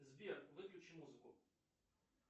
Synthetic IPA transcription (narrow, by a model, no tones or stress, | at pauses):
zʲbʲirʋɪklʲʊt͡ʃɪmuzɪkʊ